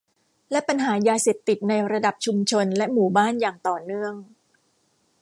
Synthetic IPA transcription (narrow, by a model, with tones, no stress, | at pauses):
lɛ˦˥pa˧nɦaː˩˦jaː˧seː˨˩p̚t̪i˨˩t̪̚na˧jɾa˧da˨˩p̚t͡ɕʰu˧mt͡ɕʰo˧nlɛ˦˥ʔmuː˨˩baː˥˩njaː˨˩ŋt̪ɔː˨˩nɯ˥˩əŋ